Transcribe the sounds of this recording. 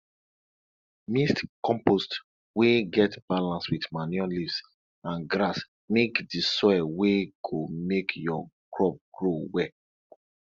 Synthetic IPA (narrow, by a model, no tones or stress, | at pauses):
mistkɔ̃mpost | weɡɛtb̥alãnswitmanjɔlifs | ãnɡɾas | mekdisɔɛweɡ̥omekʰjɔɡɹɔp̚ɡ̥ɹowɛ